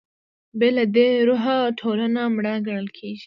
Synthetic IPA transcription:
belad̪eɾʊɦaʈʰoɾanamɽaɡəɽəlkʰeʒi̥

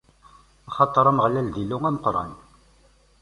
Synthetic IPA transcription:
ɑχɑt̪ˤːəɾˤɑməʁlæld̪ilʊŋæməqɾˤɑ̰n

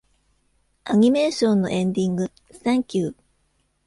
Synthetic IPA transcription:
aɲ̟ime̞ːɕõnːo̞̰ʔẽ̞nd̪ʲĩŋɡɯ̟ | sãŋkʲɨː

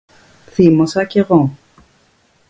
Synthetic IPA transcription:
θimosɐceɣo

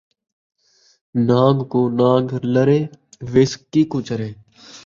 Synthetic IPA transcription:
naːŋɡkoːnaːŋɡləɾeːʋɪskːiːkʊːt͡ʃəɾeː

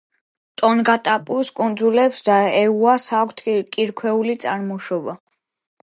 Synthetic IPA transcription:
t̪ʼɔnɡat̪ʼapʼuskʼund̪zulɛpsd̪aɛuasakʰʷt̪ʰkʼiɾkʰwɛulit̪sʼaɾmɔʃɔba

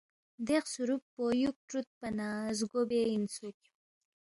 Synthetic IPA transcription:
d̪eqsuɾuppːojuk̚ʈɾut̪̚panaːzɡobeinsuk

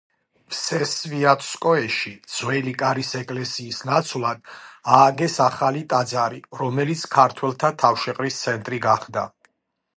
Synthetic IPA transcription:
pʰsɛsviat̪ʰʼskʼɔɛʃid̪z̥wɛlikʼaɾisɛkʼlɛsiːsnat̪sʰwlˠad̪̥̚aːɡɛsaχalit̪ʼad̪zaɾiɾɔmɛlit̪sʰkʰaɾt̪ʰwɛlˠt̪ʰat̪ʰafʃɛqʼɾist̪sʰɛnt̪ʼɾiɡaχd̪a̰

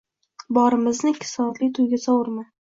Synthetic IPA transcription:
bɒɾɪmɪznɪkʲʰːɪ̥sɒd̪lit̪ʰʊjɡʲasɒwʊɾma

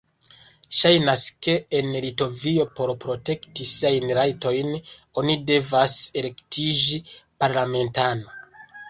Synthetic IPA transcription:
ʃajnaske̞ːnlito̞vio̞po̞ɾpɾo̞te̞ktisiajnɾajto̞jno̞nide̞vase̞le̞ktʰid͡ʒipaɾlame̞ntano̞

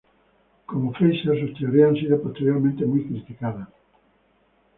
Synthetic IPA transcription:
komofejʃesost̪eoɾeãŋsiðʊpost̪eɾjoɾmẽnt̪emujkɾit̪ikaðɐ

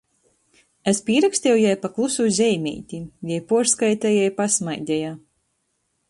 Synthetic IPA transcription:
ɛspʲiɛɾakst̪ʲɛwjajpaklˠusuzʲɛjmʲɛ̰jt̪ʲijajpuɔɾskajt̪ɛjɛjpasmajd̪ʲɛja

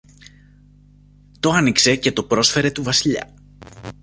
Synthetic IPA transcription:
t̪o̞ɐnikse̞ce̞t̪o̞pɾo̞sfe̞ɾe̞t̪uvɐsiʎɐ̰

